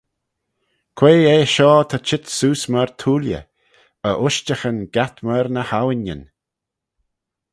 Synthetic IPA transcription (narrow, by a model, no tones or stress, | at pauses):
kʰweːeːʃɔːt̪ʰat͡ʃɪt̪suːsməɹt̪ʰuːljə̰ | əʔʊʃt͡ʃəxənɡat̪məɾnəhawɪnjə̰n